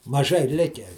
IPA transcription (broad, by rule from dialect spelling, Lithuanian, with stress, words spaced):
mɐˈʒɐɪ ˈlʲɪkʲæː